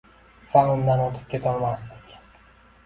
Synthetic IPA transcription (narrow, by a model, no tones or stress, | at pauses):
faʊmd̪anɒt̪ʰɪ̥p̚kʲʰet̪ʰɒɾmaslɪkʲ